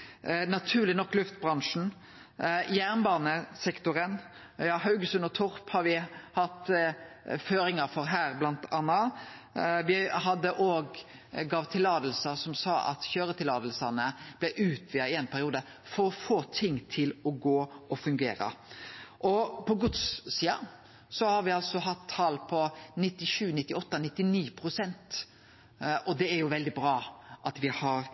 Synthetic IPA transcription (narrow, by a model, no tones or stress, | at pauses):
nɑt̪ʰʉːʁlɪnɔkːlʉft̪̚bʁɑŋʂn̩ | jæːʁnbɑːnəsɛkt̪ʊɾən | jɑːhɑʉɡəsʉnɔt̪ʰʊɾphɑɾʋɪhɑt̪ | føːɾɪŋɑfɔɾɦæːʁblɑnt̪ʰɑːnɑ | ʋɪɦɑd̪ːəʔoːɡ | ɡɑːʋt̪ʰɪlɑːd̪əl̩səsɔmsɑːʔɑ̰t̪çøːɾət̪ʰɪlɑːd̪əl̩sɑnəb̥lɛʔʉːt̪ʰʋiːəɪɛnpʰæɾɪuːd̪ə | fɔɾɔfoːt̪ʰɪŋːt̪ʰɪlɔɡoːɔfʉŋɡḛːɾə̰ʔɔpʰɔɡʊd̪ssiːɑ | sɔhɑɾʋɪɑlsɔɦɑt̪ʰːɑːlpʰɔnɪt̪ːɪʃʉːnɪt̪ːɪɔt̪ːɑnɪt̪ːɪniːpʰɾʊsɛnt̪ | ʔɔd̪ɛæɾjʊʋɛld̪ɪbɾɑːʔɑt̪ʋɪhɑɾ